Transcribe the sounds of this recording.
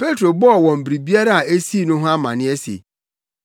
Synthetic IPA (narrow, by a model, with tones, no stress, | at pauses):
pe˦tʰɾo˨bɔ˦ɔ˨wɔ̃˨m̩˨bɾi˨bi˦a˦ɾa˦a˨e˦si˦˨nʊ̃˦ɦʊ̃˦a˦mã̰˨nɪ̃˦ɛ˦sḛ˨